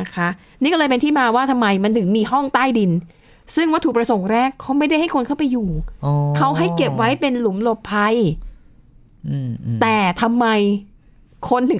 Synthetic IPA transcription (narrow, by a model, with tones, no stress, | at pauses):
na˦˥kʰa˦˥ʔ | niː˦˥˩kɔ˥˩ɤː˧jpe˧t̪iː˥˩maː˧waː˥˩t̪ʰa˧mːa˧jma˧nt̪ʰɯ˩˦ŋmiː˧ɦɔ˥˩ŋt̪aː˥˩jdi˧n | sɯ˥˩ŋwaː˦˥˩t̪ʰuː˨˩pɾa˧so˨˩˦ŋɾɛː˥˩kʰːa˦˥wma˥˩jda˥˩jha˥˩jkʰo˧nkʰa˥˩pa˧jːuː˨˩˧kʰa˦˥wɦa˥˩jke˨˩p̚wa˦˥jpe˧nlu˩˦mlo˨˩p̚pʰa˧j | t̪ɛː˨˩t̪ʰa˧mːa˧j | kʰo˧nːɯ˨˩˦